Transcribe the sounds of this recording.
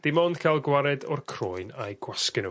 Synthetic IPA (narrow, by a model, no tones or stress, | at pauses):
d̥ɪmɔnd̥kʰalˠɡwaɾɛdɔrkʰroːɨnajɡ̥waskɪnu